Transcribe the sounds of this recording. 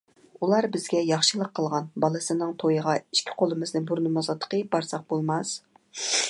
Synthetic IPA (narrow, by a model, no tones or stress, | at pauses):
ulˠɑɾbɪzɡʲɛjɑχʃɨlˠəqʰːəlˠʁɑnbɑlˠɨsɨnɨŋt̪ʰojəʁɑi̥ʃkʲʰi̥qʰolˠɨmɨznɨŋbuɾnɨmɑzɑt̪ːə̥qəbɑɾsɑq̚bolˠmɑs